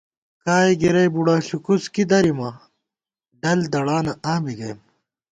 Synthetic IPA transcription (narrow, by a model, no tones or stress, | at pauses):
kaːiɡiɾɐjbuɽaːɕukuskid̪ɐɾimɐ | ɖɐld̪ɐɽaːnɐʔaːmiɡɐjm